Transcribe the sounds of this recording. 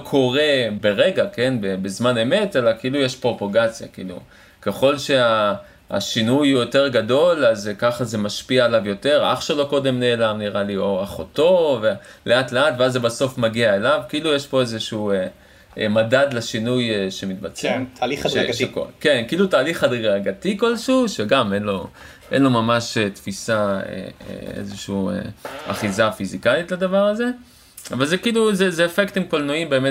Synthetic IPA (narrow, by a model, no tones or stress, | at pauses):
kʰo̞ʁe̞be̞ʁe̞ɡake̞nbebezmane̞me̞te̞lakeilujeʃpʁo̞poɡat͡sja̰kiilṵ | ke̞χo̞lʃe̞a | a̰ʃinujjo̞te̞ʁɡado̞lazkaχaze̞maʃpiaelavjo̞te̞ʁa̰χʃelo̞ko̞de̞mne̞ːlamniʁalio̞aχoto̞ve | le̞atleatveazːebaso̞fmaɡiaelavkiiːlujeʃpo̞ezeʃuue | emadad̪leʃinujeʃe̞mit̪bat͡semliʃeʃeko̰kenkiilutaːliχadʁaɡat̪iko̞lʃuːʃeɡamenlo̞ | ʔenlo̞mamaʃet̪fisaḛḛḛzeʃuḛa̰χizafizikajit̪lad̪avaʁaze̞ | avalzekiiːluzezeːfektimkolnuimbe̞ːme